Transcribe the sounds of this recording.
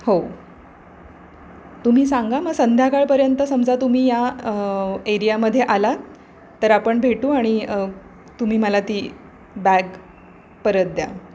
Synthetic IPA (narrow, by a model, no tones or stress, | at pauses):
ho | t̪um̤iːsãŋɡaməɡsənd̪ʱjakaɭpəɾjənt̪əsəmd͡zat̪um̤iːja | eɾijaməd̪ʱːjeʔala | t̪əɾapəɳbʱeʈuːaɽ̃i | t̪um̤iːməlat̪iː | bæɡ | pəɾət̪̚d̪ja̰